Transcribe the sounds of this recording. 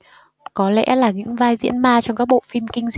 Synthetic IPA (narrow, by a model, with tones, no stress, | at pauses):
kɔ˨˦lɛ̰˧˥laː˨˩ɲɨ̰˧˥ŋvaː˧jzḭ˧˥ənmaː˧t͡ɕɔ˧ŋ͡mkaː˦˥k̚ɓo̰˧˨fi˧mkï˧ŋ̟z